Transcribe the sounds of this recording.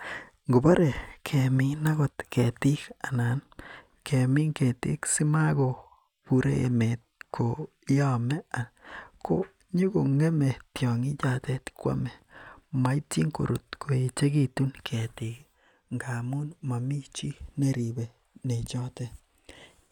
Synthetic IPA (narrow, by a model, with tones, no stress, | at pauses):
ŋɡo˨ba˦ɾe˨kʰe˨mi˦na˦ɡɔ˨t̪kʰe˨ti˦ka˨na˨n | kʰe˨mi˦ŋke˨t̪ḭ˦ksi˦ma˦ɡo˨ | pu˨ɾḛ˦ḛ˨me˨t̪̚kʰo˨˦ | ja˦me˦a˨ko˦ | ɲu˦ɡo˨ŋe˦me˨t̪jɔ˨ŋi˦d͡ʒa˦t̪e˦t̪kwa̰˦me˨ma˨i˦ti˦ŋko̰˨ɾʔṵ˨t̪ko˨i˨t͡ʃe˦ɡi˦t̪u˦nkʰe˨t̪i˨k | ŋɡa˨mu˦nma˨mi˦t͡ʃi˦ne˦ɾi˨be˨ | ne˨t͡ʃɔ˦te˦